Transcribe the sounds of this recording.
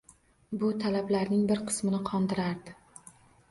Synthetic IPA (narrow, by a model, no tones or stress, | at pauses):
bʊt̪ʰalablaɾnɪŋbɪɾqʰɨ̥smɪnɪqʰɒnd̪ɪɾaɾd̪ɪ